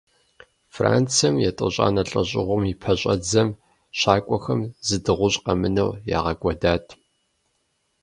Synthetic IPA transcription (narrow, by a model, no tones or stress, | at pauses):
fra̰ːnt͡sʰɐmjɛtʼɨ̰ɕʼa̰ːnɐɬʼɐɕʼɪʁʷʊmipʰɐɕʼɐd͡zɐm | ɕaːkʷʼɔxɐmzɨdɨʁʷʊɕʼqɐmɨnɐ̰wja̰ːʁɐkʷʼɔdaːtʰ